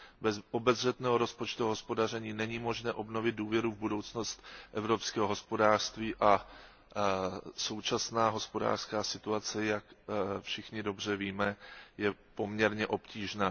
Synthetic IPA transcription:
bɛzʔo̞bɛzr̝ɛt̪nɛːɦoɾo̞spot͡ʃt̪uɦospo̞dar̝ɛɲiːnɛɲimo̞ʒnɛːʔo̞bno̞vɪt̪̚duːvjɛɾuvbudo̞wt͡sno̞st̪ʔɛvɾo̞pskɛːɦoɦo̞spo̞daːr̥st̪viːʔa | so̞wt͡ʃasnaːɦo̞spo̞da̰ːr̥skaːsɪt̪uat͡sɛjakfʃɪxɲɪdo̞br̝ɛviːmɛjɛpo̞mɲɛɾɲɛʔo̞pciːʒnaː

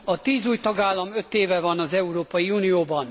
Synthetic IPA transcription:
ɒt̪iːzuːjt̪ɒɡaːlːɒmø̞t̪ːeːvɛvɒnɒzɛuɾoːpɒjiuːnijoːbɒn

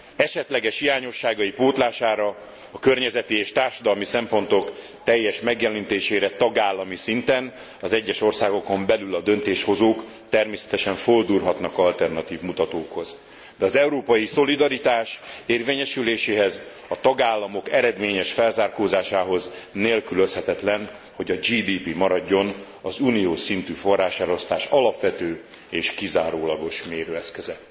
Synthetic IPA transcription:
ɛʃɛt̪lɛɡɛʃhijaːɲo̞ʃːaːɡɒjipoːt̪laːʃaːɾɒ | ɒkørɲɛzɛt̪ieːʃt̪aːrʃɒd̪ɒlmisɛmpo̞nt̪o̞k | t̪ɛjːɛʃmɛɡjɛlint̪eːʃeːɾɛt̪ɒɡaːlːɒmisint̪ɛn | ɒzɛɟːɛʃo̞rsaːɡo̞ko̞mbɛlylɒd̪ø̞nt̪eːʃho̞zoːk | t̪ɛrmeːsɛ̥t̪ɛʃɛɱfold̪uːrɦɒt̪nɒkɒlt̪ɛrnɒt̪iːvmut̪ɒt̪oːkho̞z | d̪ɛɒzɛuɾoːpɒjiso̞lid̪ɒɾit̪aːʃeːrveːɲɛʃyleːʃeːɦɛz | ɒt̪ɒɡaːlːɒmo̞kɛɾɛd̪meːɲɛʃfɛlzaːrkoːzaːʃaːɦo̞zneːlkyløshɛt̪ɛt̪lɛn | ho̞ɟɒd͡ʒiːd̪iːpimɒɾɒɟːo̞n | ɒzunijoːʃsint̪yːfo̞rːaːʃɛlo̞st̪aːʃɒlɒpʋɛt̪øː | eːʃkizaːɾoːlɒɡo̞ʃmeːɾøːɛskøzɛ

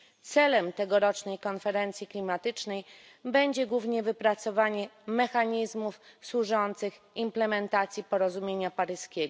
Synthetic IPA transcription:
t̪sɛlɛmt̪ɛɡɔɾɔt͡ʂnɛjkɔnfɛɾɛnt̪sʲjiklʲimat̪ɘt͡ʂnɛj | bɛɲd͡ʑɛɡwuvɲɛvɘpɾat̪sɔvaɲɛmɛxaɲizmufswuʐɔnt̪sɘx | implɛmɛnt̪at̪sʲjipɔɾɔzumʲjeɲapaɾɘskʲeɡɔ

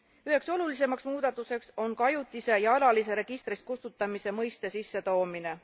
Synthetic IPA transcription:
yɦe̞kso̞lulise̞mɑksmuːd̪̥ɑt̪ːˑuse̞kso̞nkɑjut̪ːˑise̞jɑɑlɑlis̬e̞ɾe̞ɡ̥ist̪ɾist̪̚kust̪ut̪ːˑɑmise̞mɤjst̪e̞sisːe̞t̪o̞ːmine̞

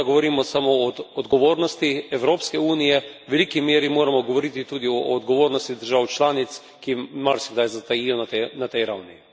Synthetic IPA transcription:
ɡɔʋɔɾiːmɔsamoːd̪ɡɔʋoːɾnɔst̪iɛwɾoːpskɛuːnijɛʋɛliːkimeːɾimoːɾamɔɡɔʋɔɾit̪it̪uːd̪iɔːd̪ɡɔʋoːɾnɔst̪id̪əɾʒawt͡ʃlaːnit̪s | kimaɾsɛɡd̪ajzat̪ajijɔnat̪ɛnat̪ɛjɾawni

